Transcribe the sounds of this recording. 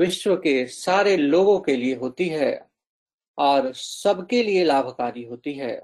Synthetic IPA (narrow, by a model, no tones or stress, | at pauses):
ʋɪʃwəkesaːɾeloːɡõkelieɦoːt̪iɦɛː | ɔːɾsɐbʱkelielaːbʱkaːɾiɦoːt̪iɦɛː